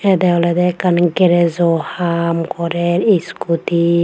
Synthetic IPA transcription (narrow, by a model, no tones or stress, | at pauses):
ɛd̪ɛɔlɛd̪ɛkanɡɛɾɛzɔhamkɔɾɛɾiskʰut̪i